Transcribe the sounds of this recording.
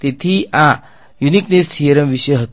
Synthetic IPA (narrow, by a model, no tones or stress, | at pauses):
t̪et̪ʰia | juniknessijeɾəmʋiɕəjɦət̪